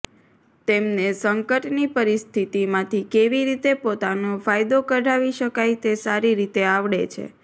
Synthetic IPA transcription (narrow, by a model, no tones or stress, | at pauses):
t̪emnesəŋkəʈnipəɾist̪ʰit̪imãt̪ʰikeʋiɾit̪epot̪anofajd̪okəɖaʋiʃəkajt̪esaɾiɾit̪eaʋɽet͡ʃʰḛ